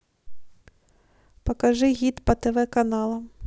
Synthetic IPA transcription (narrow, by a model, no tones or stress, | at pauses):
pɔkɐʒɪɣʲid̪pɐt̪eʋɛkɐnɑlˠɐm